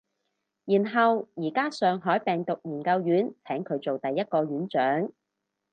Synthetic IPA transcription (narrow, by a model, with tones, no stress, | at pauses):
jiː˨˩nɦɐ˨wjiː˨˩kaː˥sœː˨ŋɦɔː˨˥jpɛː˨ŋt̪ʊ˨k̚jiː˨˩nkɐ˧wjyː˨˥nt͡sʰɛː˨˥ŋkʰɵ˨˧ɥt͡so˨wt̪ɐ˨jːɐ˥t̚kɔː˧ɥyː˨˥nt͡ʃœː˨˥ŋ